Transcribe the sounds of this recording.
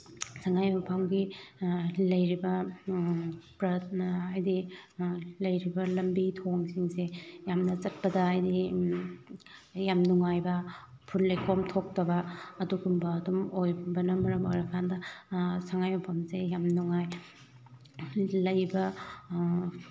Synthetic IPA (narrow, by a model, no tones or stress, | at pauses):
saŋajmɐpʰamɡi | lɐjɾibɐ | pɾɐajdi | lɐjɾibɐlɐmbitʰoŋsiŋsejamnɐt͡ʃɐt̚pɐdɐajdi | jamnuŋajbɐ | pʰunlejkʰomtʰok̚tɐbɐːduɡumbɐːdumojbɐnɐmɐɾɐmojɾɐkʰandɐsaŋajmɐpʰamsejamnuŋaj | lɐjbɐ